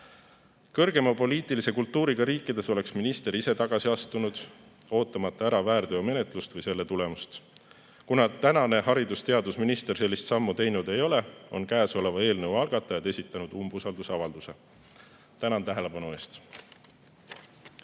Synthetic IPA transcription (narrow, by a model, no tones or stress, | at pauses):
kɤrɡ̥e̞mɑpo̞liːt̪ˑilise̞kult̪ˑːuːɾiɡ̥ɑɾiːkːˑid̪̥e̞so̞le̞ksminist̪e̞ɾise̞t̪ɑɡ̥ɑsiɑst̪unud̪̥ | o̞ːt̪ːˑɑmɑt̪ːˑɑæɾɑvæːrd̪̥eome̞net̪ˑlust̪vɤjse̞lːe̞t̪ule̞must̪ | kunɑt̪ænɑne̞hɑɾid̪ust̪e̞ɑd̪usminist̪e̞rse̞lːist̪sɑmːut̪e̞jnud̪̥e̞jo̞leo̞̰nkæːso̞le̞vɑe̞ːlnɤwɑlɡ̥ɑt̪ːˑɑjɑd̪e̞sit̪ːˑɑnud̪̥umbusɑld̪usɑvɑld̪use̞ | t̪ænɑnt̪æɦe̞le̞pɑnue̞ːst̪